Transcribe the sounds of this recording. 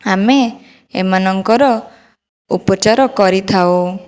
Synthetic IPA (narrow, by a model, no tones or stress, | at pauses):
ame | ḛmanɔŋkɔɾɔ | upɔt͡ʃaɾɔkɔɾit̪ʰao